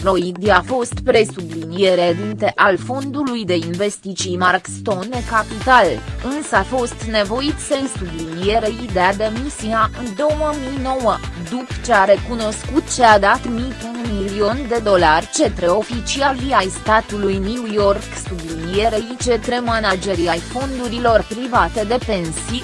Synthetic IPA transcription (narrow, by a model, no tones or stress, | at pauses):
pɾo̞jid̪iafo̞st̪pɾe̞sublinije̞ɾed̪int̪e̞ʔalfo̞nd̪ulujd̪e̞inve̞st̪it͡ʃijmarkst̪o̞nekapit̪alɨnsəafo̞st̪ne̞vo̞it̪sensublinije̞ɾe̞id̪ead̪e̞misiaʔɨnd̪o̞wəmijno̞wəd̪upt͡ʃe̞aɾe̞kuno̞skut̪t͡ʃe̞ad̪at̪mijtunmiilio̞nd̪e̞d̪o̞larʲt͡ʃe̞t̪ɾe̞o̞fit͡ʃialiajst̪at̪ulujnuwjo̞rksublinije̞ɾe̞it͡ʃe̞t̪ɾe̞manad͡ʒe̞ɾiajfo̞nd̪uɾilo̞rpɾivat̪e̞d̪e̞pe̞nsi